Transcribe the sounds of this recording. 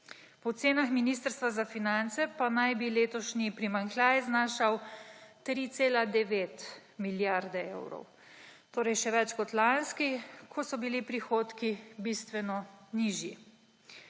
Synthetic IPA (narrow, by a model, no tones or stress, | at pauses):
pɔt̪seːnaxminiːst̪əɾst̪ʋazafinant̪sɛpanajbileːt̪ɔʃnipɾimaŋklʲaːjɛznaːʃawt̪ɾit̪seːlad̪ɛʋeːt̪miljaɾd̪ɛḛwɾɔ̰w | t̪oːɾɛjʃɛʋɛt͡ʃkɔt̪lanskikʰɔsɔbilipɾixoːt̪kibist̪ʋɛnɔniːʒji